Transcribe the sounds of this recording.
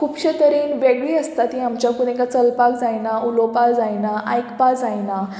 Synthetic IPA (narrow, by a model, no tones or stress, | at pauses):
kʰupɕət̪əɾiːnʋeɡɭiəst̪at̪iamt͡ɕjakuɽ̃ekat͡səlpakd͡zajnaulopald͡zajnaʔajkpad͡zajna